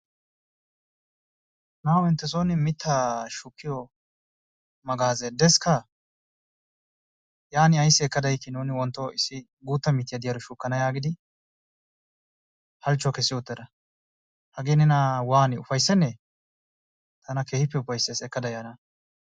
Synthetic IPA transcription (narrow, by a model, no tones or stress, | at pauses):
naːwɪnt̪ːɛs̬oːnɪmɪt̪ʰːaʃukːɪjɔ | mɐɡaːzɛd̪ɛskɐ | jaːnɪɐjsːɪɛkːɐd̪ɐjkːɪnuːnɪwɔnt̪ːɔɪsːɪ | ɡuːt̪ːɐmɪt̪ːɪjɐd̪ɪjɐɾɔʃukːɐnɐjaːɡɪd̪ɪ | hɐlt͡ʃːɔkɛsːɪjɔt̪ːɛd̪ɐ | hɐɡeːnɪnawaːnɪʊfɐjsːɛnːɛ | t̪ʰɐnɐkeːhɪpːɛʊfɐjsːesɛkːɐd̪ɐjanɐ